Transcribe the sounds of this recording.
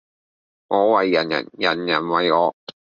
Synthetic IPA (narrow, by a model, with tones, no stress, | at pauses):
ŋɔː˨˧˥wɐ˨jːɐ̰˨˩njɐ̰˨˩njɐ̰˨˩njɐ˨˩nwɐ˨jɔː˨˧˥